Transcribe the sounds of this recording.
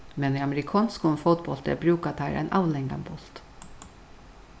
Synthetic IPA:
mɛniːɑməɾɪkʰɑːnskʊnfʊt̪bɔlt̪ɛ̰ːbɾʉːkɑt̪ʰæːɾʔæ̰ɪnʔɑʋlɛŋɡɑ̰mbɔlt̪

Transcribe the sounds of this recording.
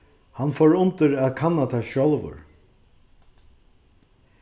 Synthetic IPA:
hanfɔɹʊnt̪ɪɹæːðkʰanat̪ʰaʃɔlˠvʊ̰ɹ

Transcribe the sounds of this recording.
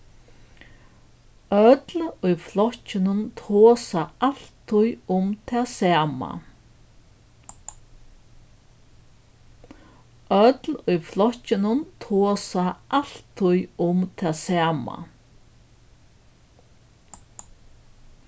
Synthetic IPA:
œt̪lʊjflɔhcːɪnʊnt̪ʰoːsaal̥t̪ʰːʊjʊmt̪ʰɛːsaːma̰ | œt̪lʊjflɔhcːɪnʊnt̪ʰoːsaal̥t̪ʰːʊjʊmt̪ʰɛːsaːma̰

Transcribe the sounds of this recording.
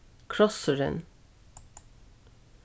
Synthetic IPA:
kʰɹɔsəɹə̰n

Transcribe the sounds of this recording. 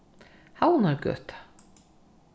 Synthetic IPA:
hawnaɾɡœ̰ːt̪ḁ

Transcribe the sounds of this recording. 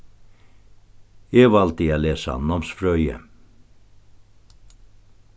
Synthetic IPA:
eːʋɑlt̪iaːleːsɑ̰nːɔmsfɾœʏə̰

